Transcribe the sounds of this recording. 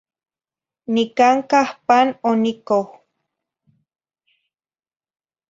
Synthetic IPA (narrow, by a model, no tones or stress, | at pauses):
nikaŋkahpanonikow